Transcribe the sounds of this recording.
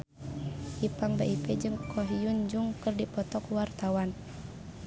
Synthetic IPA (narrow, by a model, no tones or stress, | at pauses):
ʔipaŋbaʔipɛd͡ʒɨŋkʰɔɦijund͡ʒuŋkɨrdipɔt̪ɔkwart̪awan